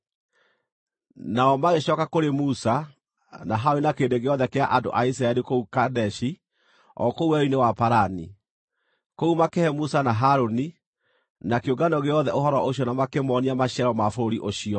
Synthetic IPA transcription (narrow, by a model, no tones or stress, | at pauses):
naɔmaɣeɕɔkakoɾemusa | naɦaɾoninakeːdeɣeɔðɛkeaʔando̰ʔais̬iɾaɛɾikoukadɛʃi | ɔ̰kouwɛinewapaɾani | koumakɛhɛmusanaɦaɾoni | nakeoɡanɔɣeɔðɛʔoɦɔɾɔʔoɕjɔnamakemɔniamaɕiɛɾɔmafoɾoɾiʔoɕiɔ